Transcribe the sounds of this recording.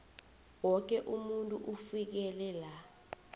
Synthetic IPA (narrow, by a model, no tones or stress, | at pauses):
wɔk̬ɛʔumuntʼuʔufik̬ɛlɛla